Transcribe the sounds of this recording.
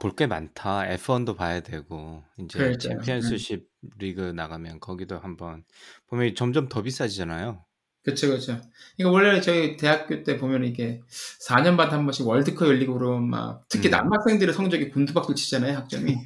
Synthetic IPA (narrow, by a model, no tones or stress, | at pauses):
poɭk͈e̞mantʰaḛpʰondopajadwe̞ɡoind͡ʑet͡ɕpʰens͈ʰuɕʰib̚ɾiɡɯnaɡamjʌnkʌɡidohambʌn | pomjʌnt͡ɕʌmd͡ʑʌmtʌbis͈ad͡ʑid͡ʑanajo | kɯt͡ɕʰokɯɾʌt͡ɕʰo | ɯiik͈awʌɭːet͡ɕʌite̞ɦak̚k͈jot͈e̞pomjʌnɯniɡe̞sʰaɲʌnmantʰɦambʌnɕʰiwʌɭdɯkʰʌjʌʎːiɡoɾoma̰k̚tʰɯ̥kʰina̰mːak̚s͈e̞ŋdɯɾɯsʰʌŋd͡ʑʌɡikondʰubak̚t͈ot͡ɕi̥d͡ʑ͈anajoɦak̚t͡ɕ͈ʌmi